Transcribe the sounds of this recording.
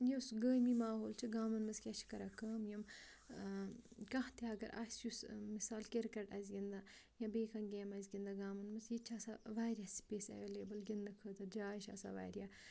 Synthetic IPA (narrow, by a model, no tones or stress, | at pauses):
jesɡəːmimaːɦoːlt͡ʃʰiɡaːmɐnmɐskʲɐʃʰi̥kɐɾakɐːmjɐm | kɐ̃ɦt̪eɐɡɐɾʔa̰ːsjusmisaːlkeɾkɐʈazʲɡʲind̪ajãbeːkʰɐnɡeːmɐzʲɡʲind̪aɡaːmɐnmɐsjit͡ʃʰaːsaʋaːɾjaspeːsɐ̰ʋeːleːbɐlɡind̪ɐkʰəːd̪ɐd͡ʒaːʃa̰ːsa̰ʋa̰ːɾʲja